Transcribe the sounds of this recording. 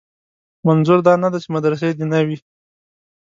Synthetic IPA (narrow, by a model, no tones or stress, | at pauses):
manzuɾd̪ɑnad̪at͡ʃemad̪ɾas̬ed̪inawi